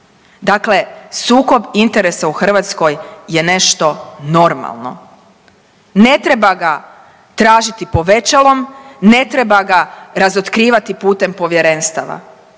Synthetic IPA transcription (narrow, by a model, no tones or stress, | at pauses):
d̪akle̞suːko̞bint̪eɾe̞sauxr̩ʋat̪sko̞jje̞ne̞ʃt̪o̞no̞ɾma̰lˠno̞̰ | ne̞t̪ɾe̞baɡa | t̪ɾaːʒit̪ipo̞ʋe̞t͡ʃalˠo̞mne̞t̪ɾe̞baɡaɾazot̪kɾiːʋat̪ipuːt̪e̞mpo̞ʋje̞ɾe̞ːnst̪aʋa̰